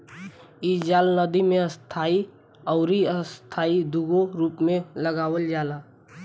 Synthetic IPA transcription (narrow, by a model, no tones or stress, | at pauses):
id͡ʒaːlnəd̪imẽəst̪ʰaːi | ɔːɾiəst̪ʰaːid̪uɡoɾuːpmẽləɡaːwəld͡ʒaːlaː